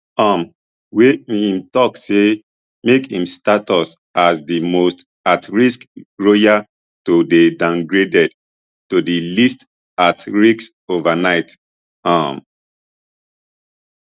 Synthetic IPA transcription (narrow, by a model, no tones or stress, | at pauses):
ɔm | weĩmtɔkse | mekĩmstatɔs | asdimost | atɹiskɹoja | todedãŋɡɹedɛd | todilist | atɹiks | ovanaɪt | am